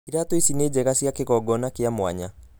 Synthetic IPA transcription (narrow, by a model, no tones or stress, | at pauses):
iɾatoisineːd͡ʑɛɣasjakeɣɔɡɔnakeamowa̰ɲa